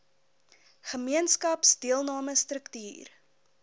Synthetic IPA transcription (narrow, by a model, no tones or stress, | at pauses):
χəmiənskɐpsdiəlˠnɑːməstrəktyːr